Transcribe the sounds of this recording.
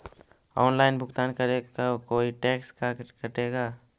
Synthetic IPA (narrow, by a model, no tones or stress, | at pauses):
ɔːnlaːɪnbʱʊɡt̪aːnkəɾekaokoːiʈeːkskakəʈeːɡaː